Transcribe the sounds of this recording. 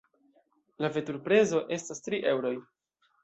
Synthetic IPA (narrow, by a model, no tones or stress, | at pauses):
lave̞tuɾpɾe̞zo̞ʔe̞stastɾiʔe̞wɾo̞j